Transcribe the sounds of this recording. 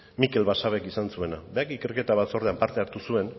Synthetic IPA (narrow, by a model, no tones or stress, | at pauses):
mike̞lβasaβ̞e̞kisansue̞nabeakike̞ɾke̞t̪aβat̪so̞ɾðeampaɾt̪e̞aɾt̪usue̞n